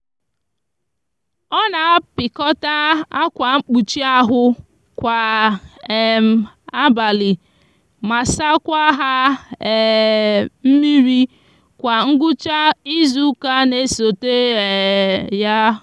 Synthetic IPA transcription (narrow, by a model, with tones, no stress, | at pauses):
ɔ˦na˨˦pɪ˨kɔ˦ta˦a˦kʷa˨ŋ͡m̩˦k͡pu˨t͡ʃi˦a˦ɦʊ˦ | kʷa˨ | ɛ˨m˨˦ | a˦ba˨lɪ˨ | ma˨sa˦kʷa˦ɦa˦˨ | m̩˦mi˦ɾi˦ | kʷa˨ŋ̩˦ɡʊ˦t͡ʃa˦i˦zu˦ka˦ne˦˨so˨te˦e˨ja˦